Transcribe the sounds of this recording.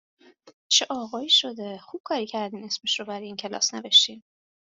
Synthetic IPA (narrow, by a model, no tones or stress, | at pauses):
t͡ʃʰeʔɒːɣɒːiːʃo̞d̪e̞xub̥̚kʰɒːɾiːcʰæɾd̪iːne̞smeʃrobæɾɒjeiːncʰe̞lɒ̰ːsneveʃt̪in